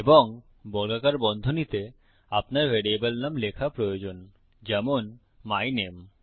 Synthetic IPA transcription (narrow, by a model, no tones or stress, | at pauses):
eboŋ | bɔlɡakaɾbɔnd̪ʱonit̪e | apnaɾveɽiebalnamlekʰapɾojod͡ʑon | d͡ʑɛmon | majnem